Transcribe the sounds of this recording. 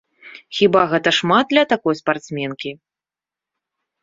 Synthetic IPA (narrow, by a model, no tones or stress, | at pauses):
xʲibaɣɛt̪ɐʂmad̪̚d̪lʲɐt̪akɔjspart̪smʲɛnkʲi